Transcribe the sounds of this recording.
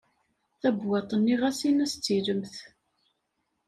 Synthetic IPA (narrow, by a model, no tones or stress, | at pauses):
θæbwɑt̪ˤənːiʁæsinæst͡sːiləmθ